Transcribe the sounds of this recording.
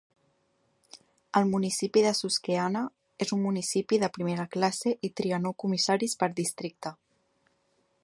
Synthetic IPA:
əlˠmunisipiðəsuskeanə | ezumːunisipiðəpɾimeɾəklaseʔit̪ɾiənokumisaɾispəɾd̪ist̪ɾik̚t̪ə

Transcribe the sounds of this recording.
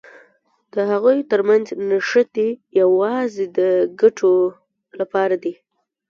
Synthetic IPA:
d̪̥əɦaɣujt̪əɾmanznaʃət̪ijawɑzed̪əɡaʈʰo | lapɑɾad̪i

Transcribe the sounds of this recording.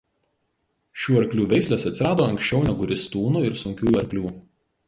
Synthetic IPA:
ʃʲuːɐɾʲklʲuːʋʲɛɪsʲlʲeːsɐt̪ʲsʲɪɾɑːd̪oːɐŋʲksʲt͡ʃʲɛʊnʲɛɡʊɾʲɪst̪uːnuɪɾsʊŋʲkʲuːjɐɾʲklʲuː

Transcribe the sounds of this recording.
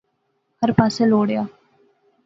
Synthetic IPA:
həɾpaːseloːɽejaː

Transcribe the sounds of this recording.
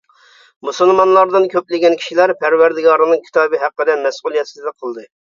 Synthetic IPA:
musɨlˠmɑnlˠɑɾd̪ɨnkʲʰøplɪɡʲɛnkʲʰi̥ʃilæɾpʰæɾwæɾd̪ɪɡɑɾɨnɨŋkʲʰi̥t̪ʰɑːbɨɦæqːəd̪ɛmɛsʔulˠijɛt̪sɪd̪ɛqʰəlˠd̪ɨ

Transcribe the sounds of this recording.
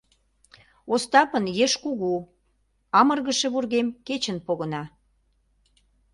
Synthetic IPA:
ost̪ɑpənjeʃkuɣu | ɑmərɣəʃeβurɣemket͡ɕənpoɣə̆nɑ

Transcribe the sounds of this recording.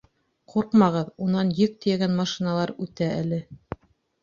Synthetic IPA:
quɾqmɑʁɤðunɑnjɵk̚t̪ɘ̆jæɡænmɑʃinɑlˠɑɾʉt̪æʔælɘ

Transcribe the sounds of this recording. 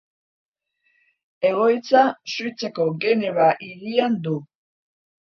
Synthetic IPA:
e̞ɣo̞jt͡sasujt͡seko̞ɡe̞neβaʔiɾiand̪u

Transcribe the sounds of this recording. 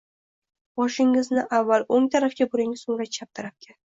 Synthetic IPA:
b̥ɒʃɪŋɪznɪʔavːaloŋt̪ʰaɾafkʲabʊɾɪŋɪzʊŋɾat͡ʃʰap̚t̪ʰɪɾap̚kʲʰan

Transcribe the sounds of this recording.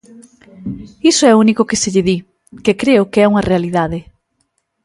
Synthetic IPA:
isoɛounikʊkeseʎɪði | kekɾeʊkeɛuŋɐrealiðaðɪ

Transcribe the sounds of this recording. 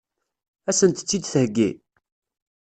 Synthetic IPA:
æsənt̪ə̥t͡sːid̪θəhɡːḭ

